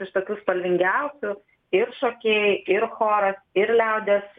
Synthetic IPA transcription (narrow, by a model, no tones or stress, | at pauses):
ɪʃt̪oːkʲuːspɐlʲʋʲɪŋʲɡʲɛʊsʲʊ | ɪɾʃoːkʲeːjɪɾxoːɾɐsɪɾlʲɛʊd̪ʲeːs